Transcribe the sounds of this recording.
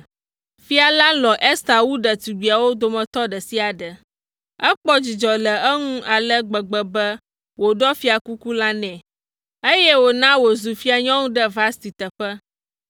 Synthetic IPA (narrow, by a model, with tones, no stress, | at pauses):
fi˦a˨la˦lɔ˨ʔe˦st̪a˨wu˦ɖə˨t̪i˨ɡ͡bi˨a˨wo˦d̪o˨mə̃˨t̪ɔ˦ɖə˨si˦a˨ɖə˨ | ə˦k͡pɔ˦d͡ʑi˨d͡ʒɔ˨lə˨ə˦ŋũ˦ʔa˨lə˦ɡ͡bə˨ɡ͡bə˨bə˦ | wo˨ɖɔ˦fi˦a˨ku˦ku˦la˦nɛ̃˨ | e˦jɛ˦wo˨nã˦wo˨zu˨fi˦a˨ɲɔ̃˦ŋũ˦ɖə˦va˦st̪i˨t̪ə˨ɸə˦